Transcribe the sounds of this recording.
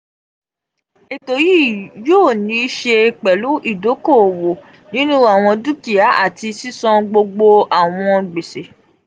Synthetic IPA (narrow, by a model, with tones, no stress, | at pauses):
e˨to˨ji˦˨joː˦˨nĩ˧˦i˦ʃe˧˨k͡pɛ˨lu˨˦ʔi˦˨do˨˦ko˦˨wo˨ | nĩ˦nũ˦a˦˨w̃ɔ̃˧du˦ki˨a˨˦ʔa̰˦˨ti˧si˦sɔ̃˧ɡ͡bo˧ɡ͡bo˧a˨w̃ɔ̃˧ɡ͡be˨se˨